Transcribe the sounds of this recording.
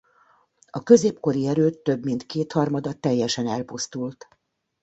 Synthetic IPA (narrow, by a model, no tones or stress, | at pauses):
ɒkø̞zeːpko̞ɾiɛɾøːt̪ːø̞bmint̪keːt̪hɒrmɒd̪ɒt̪ɛjːɛʃɛnɛlpust̪ult̪